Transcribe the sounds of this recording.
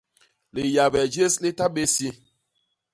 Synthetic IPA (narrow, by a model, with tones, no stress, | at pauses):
le˨ja˨bɛ˨d͡ʒe˦sle˦ta˦ɓe˦sje˦